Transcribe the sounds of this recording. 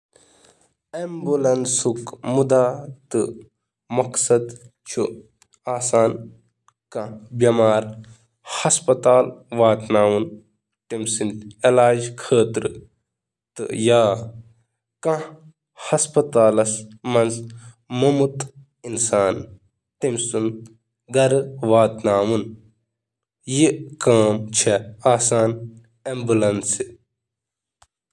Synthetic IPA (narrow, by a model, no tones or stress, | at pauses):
embulɐnsukmud̪aːt̪ɨ | mɐksɐd̪ | t͡ʃʰu | aːsaːn | kɐ̃bɐmaːɾ | hɐspɐt̪aːlʋaːt̪naːwun | ʈimsint̪elaːd͡ʒkʰəːt̪ɾɨ | t̪ɨ̰jaː | kɐ̃ | hɐspɐt̪aːlɐsmɐnz | mɐmut̪ | insaːn | t̪imsun | ɡɐɾʋaːt̪naːwun | jikaːmt͡ʃʰeaːsaːn | embulɐnsi